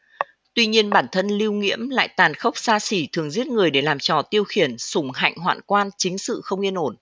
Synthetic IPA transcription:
t̪wi˧ɲi˧ənɓaː˧˩nt̪ʰə˧nli˧əwŋḭ˧˥əmla̰ː˧˨jt̪aː˨˩nxə˦˥wk͡p̚saː˧si˧˩t̪ʰɨ˨˩əŋzi˦˥ət̚ŋɨ˨˩əjɗe˧˩laː˨˩mt͡ɕɔ˨˩t̪i˧əwxi˧˩ənsʊ˧˩ŋ͡mha̰˧˨jŋ̟ɦwa̰ː˧˨nkwaː˧nt͡ɕï˨˦ŋ̟sɨ̰˧˨xə˧wŋ͡mʔi˧ənʔo˧˩n

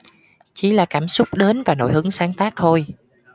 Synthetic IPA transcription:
t͡ɕi˨˧˦laː˨˩kaː˧˩msʊ˦˥k͡p̚ɗe˨˦nvaː˨˩no̰˧˩˦jhɨ˨˦ŋsaː˨˦ŋt̪aː˦˥k̚t̪ʰo˧j

